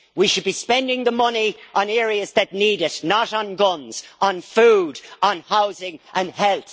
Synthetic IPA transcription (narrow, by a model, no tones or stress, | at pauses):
wiʃɨd̚bispɛ̃ndɪ̃ŋðəmʌniʔə̃nɛːɹiɨzðɨtⁿniɾɪtnəɾn̩ɡʌ̃nz̥ʔn̩fuːdn̩haʊzɪ̃ŋʔə̃nhɛlˠθ